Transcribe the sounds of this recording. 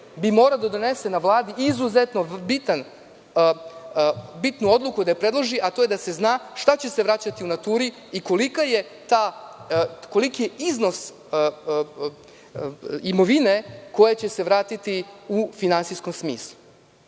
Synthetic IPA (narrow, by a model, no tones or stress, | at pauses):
bimo̞ːɾad̪ad̪one̞se̞naʋlˠaːd̪iʔizuze̞t̪no̞bit̪an | bit̪nuo̞d̪lˠukud̪aepɾe̞d̪lˠoʒiʔat̪o̞jed̪ase̞znaːʃt̪at͡ɕe̞se̞ʋɾat͡ɕat̪iunat̪uːɾi | iko̞likaje̞t̪aː | ko̞likije̞ʔizno̞s | imo̞ʋine̞ko̞je̞t͡ɕe̞se̞ʋɾaːt̪it̪iufinantsisko̞msmḭːslˠu